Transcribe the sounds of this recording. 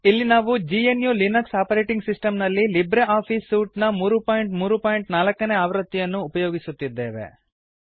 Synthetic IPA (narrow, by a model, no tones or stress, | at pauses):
ilːinaːʋud͡ʒienjulinɐksaːpɐɾeːʈiŋɡsisʈɐmnɐlːilibɾeʔaːpʰiːsuːʈnɐmuːɾupaːjɳʈmuːɾupaːjiɳʈnaːlɐkːɐneaːʋɾɐt̪ːijɐnːuːpɐjoːɡisut̪ːid̪ːe̞ːʋḛ